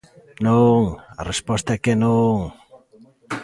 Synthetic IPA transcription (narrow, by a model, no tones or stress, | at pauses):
noŋɐ̰respɔst̪ɐɛkenõŋ